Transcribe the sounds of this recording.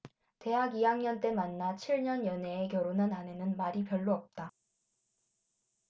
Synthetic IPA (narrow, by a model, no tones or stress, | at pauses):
te̞ɦaɡijaŋɲʌnt͈e̞manːat͡ɕʰiɭɲʌnjʌneːk̬jʌɾonɯnane̞nɯnmaɾipjʌɭːoʌp̚t͈a